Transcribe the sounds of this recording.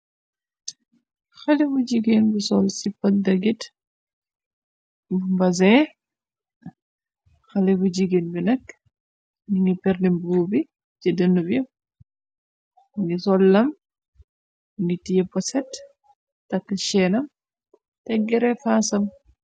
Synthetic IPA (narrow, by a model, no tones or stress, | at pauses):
xɐlibud͡ʒiɡinbisɔlsipːɐtdɐɡit | mbɐzɛ | xɐlɛbud͡ʒiɡinbinɐk | niŋɡipɛɾnibuːbi | d͡ʒidənːub | ŋɡisɔlːɐm | ŋɡitijɛpɔsɛt | tɐkːʃɛnɐm | tɛɡːɛɾɛfasɐm